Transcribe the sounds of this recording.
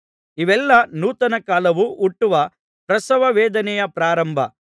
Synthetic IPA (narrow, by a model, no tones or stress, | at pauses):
iʋɛlːɐnuːt̪ɐnɐkaːlɐʋuʔuʈːuʋɐ | pɾɐsɐʋɐʋɛːd̪ɐnɛjɐpɾaːɾɐmbʱɐ